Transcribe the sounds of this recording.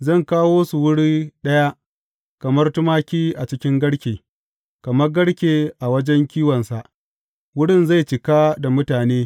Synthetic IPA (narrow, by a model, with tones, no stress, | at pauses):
zɐ˦˨ŋkaː˦woː˦su˨wʊ˦ɽiː˦ɗɐ˦ja˦ʔ | kɐ˨mɐ˦rtʊ˦maː˦kʲiː˦ʔa˨t͡ʃɪ˦kʲɪ˦ŋɡɐ˦ɽkʲeː˨ | kɐ˨mɐ˦rɡɐ˦ɽkʲeː˨ʔa˨wɐ˦d͡ʒɛ˦ŋkʲiː˦wɐ˨nsa˨ʔ | wʊ˦ɽɪ˦˨nza˦˨jt͡ʃɪ˨ka˦da˨mʊ˦taː˨neː˦